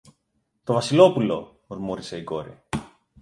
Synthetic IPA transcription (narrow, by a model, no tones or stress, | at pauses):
t̪o̞vɐsilo̞pulo̞̰ | ɾmuɾise̞iko̞̰ɾḭ